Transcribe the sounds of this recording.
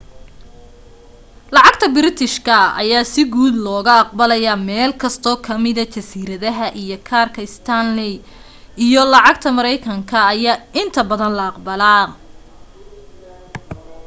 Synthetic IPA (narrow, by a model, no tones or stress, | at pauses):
lɑʕɑɡt̪ʰɐbɪɾɪt̪ʰɪʃkʰɐɐ̰jaːsɪɡuːd̪lɔːɣɐɑq̚bɐlɐjɐmɛːlkʰɐst̪ʰɔːkʰɐmɪðɐt͡ʃɐsiːɾɐðɐɦɐʔijɔkʰaːrkʰɐɪst̪ʰɐnlɪ | ijɔlɑʕɑɡ̚t̪ʰɐmɐɾɛjkʰɐŋkʰɐːjaːɪnt̪ʰɐbɐðɐnlɐɑqbɐlaː